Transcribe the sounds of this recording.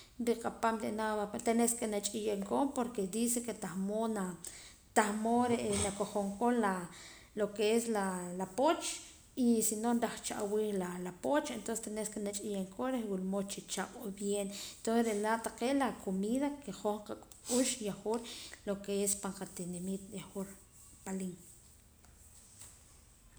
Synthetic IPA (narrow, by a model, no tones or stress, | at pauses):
ɾiqʼapamɾeʔnaat̪eneskenat͡ʃʼijeŋkopoɾked̪is̬eket̪axmona | t̪ahmoɾeʔnakoχoŋkonla | lokeeslalapot͡ʃ | isinonɾaχt͡ʃa̰ʔwiːlalapot͡ʃent̪onse̥t̪enesekenat͡ʃʼijeŋkʰʼoɾewilmot͡ʃit͡ʃaɓ̥ʼobjenent̪onsesɾelaʔt̪aqeʔlakʰomiːðakeχoɴqakʼuʃjaχoɾlokeespaɴqat̪inemit̪jaxoɾ | paliŋ